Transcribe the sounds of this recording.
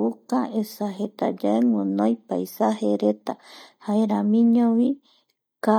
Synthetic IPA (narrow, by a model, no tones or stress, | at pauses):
ukaesaɦet̪ad͡ʒaeŋʷɨ̃nõjpajsaɦeɾet̪ahaeɾamĩɲõʋi | ka